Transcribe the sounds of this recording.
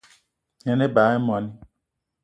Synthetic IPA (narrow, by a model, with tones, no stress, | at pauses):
ɲɛ̃˨ne˦ba˨˦ɛ˦mɔ̃˨nĩ˦